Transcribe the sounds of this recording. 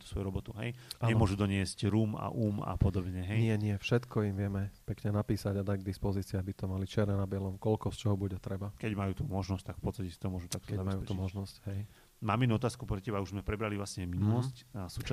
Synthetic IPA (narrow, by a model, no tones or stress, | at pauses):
t̪u̥sʋɔjuɾɔbɔt̪uɦɛ̰jaɲɛmʊɔʒud̪ɔɲɪɛzcɾuːma̰ʔuːma̰pɔd̪ɔbɲɛɦɛnjɪɛɲɪɛfʃɛt̪kɔimʋɪɛmɛpɛkɲɛnapiːsaɟad̪aɟɡ̚d̪ispɔziːt͡siabit̪ɔmalit͡ʃɪɛɾnɛnabɪɛlɔmkɔlkɔst͡ʃɔɦɔbuɟɛt̪ɾɛbakɛɟmajuːt̪umɔʒnɔsct̪akfpɔtt͡st̪acɛsi̥t̪ɔmʊɔʒut̪ak̚t̪kɛzabmasjuːpɛumɔʒnɔscɦɛj | maːminuɔt̪aːskupɾɛcɛbauʒzmɛpɾɛbɾalivʋlasɲɛminulˠɔscsuːt͡ʃa